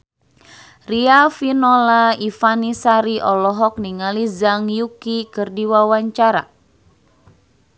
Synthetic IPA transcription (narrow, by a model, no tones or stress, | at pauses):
riafinɔlaifanisaɾiʔɔlɔɦɔk̚niŋalizaŋjukikɨrdiwawaɲt͡ʃaɾa̰